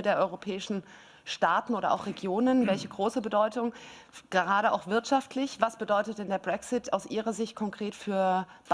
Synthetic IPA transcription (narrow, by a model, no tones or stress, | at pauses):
deːɐʔɔʏʁopʰɛːɪʃn̩ | ʃtaːtn̩ʔoːɾɐ̰ʔa̰ʊxʁ̥eɡjoːnənvɛlçəɡʁoːsəbədɔʏtʊŋɡ̥əʁaːɾəʔa̰ʊxv̥ɪɐtʃaftʰlɪçvasb̥ədɔʏtət̚d̥ɛndeːɐbʁɛksɪtaʊsʔiːʁ̞ɐzɪçt̚kʰɔŋkʁ̥eːtfyːɐ | b̥